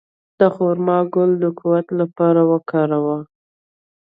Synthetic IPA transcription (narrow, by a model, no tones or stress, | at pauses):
d̪̥əxoɾmɑɡʊld̪əkʰuwat̪lapɑɾawəkɑɾawa